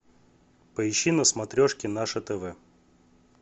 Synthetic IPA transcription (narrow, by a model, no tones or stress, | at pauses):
pəɪɕːinəsmɐt̪ɾʲɔʂkʲɪnaʂɨt̪ɛvɛ